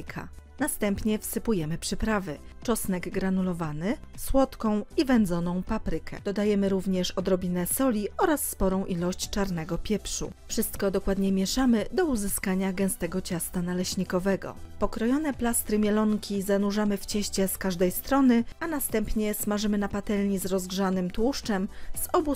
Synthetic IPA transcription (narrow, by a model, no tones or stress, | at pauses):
kʰa̰nast̪ɛmpɲɛfsɘpujɛmɘpʂɘpɾavɘ | t͡ʂɔsnɛɡɡɾanulɔvanɘ | swɔt̪kɔ̃w̃ivɛnd̪zɔnɔ̃w̃papɾɘkʰɛ̰d̪̥ɔd̪ajɛmɘɾuvɲɛʂɔd̪ɾɔbʲinɛsɔlʲiɔɾasːpɔɾɔ̃w̃ʔilɔɕt͡ɕt͡ʂaɾnɛɡɔpʲjɛpʂṵfʂɘst̪kɔd̪ɔkwad̪ɲɛmʲjɛʂamɘd̪ɔuzɘskaɲaɡɛ̃w̃st̪ɛɡɔt͡ɕast̪analɛɕɲikɔvɛɡɔ̰pɔkɾɔjɔnɛplast̪ɾɘmʲjɛlɔŋkʲizanuʐamɘft͡ɕɛɕt͡ɕɛskaʐd̪ɛjst̪ɾɔnɘanast̪ɛmpɲɛsmaʐɘmɘnapat̪ɛlɲizɾɔzɡʐanɘmt̪wuʂt͡ʂɛmz̥ɔbu